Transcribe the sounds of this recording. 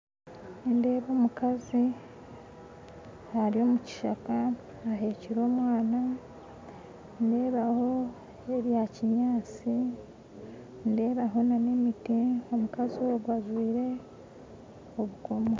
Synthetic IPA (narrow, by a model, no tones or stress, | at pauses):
ende̞ːβoːmukazi | haɾio̞ːmuci̥ʃakaː | ɦe̞ːciɾo̞ːmwaːna | nde̞ːβaho̞ | eɾjaciɲaːt͡si | nde̞ːβaɦo̞nane̞mitio̞mukazioɡwazwiːɾe̞ | oβukomo